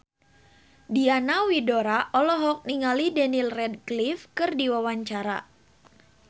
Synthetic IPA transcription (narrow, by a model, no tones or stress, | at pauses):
dianawidoɾaʔɔlɔɦɔk̚niŋalidɛnilrɛdklifkɨrdiwawaɲt͡ʃaɾa̰